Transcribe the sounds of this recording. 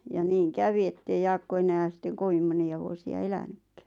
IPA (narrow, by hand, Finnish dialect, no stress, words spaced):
jɑ niːŋ kæʋi etːei jɑːkːo enæːn̞ sitːeŋ koʋim moniɑ ʋuosiɑ elænykːæ̥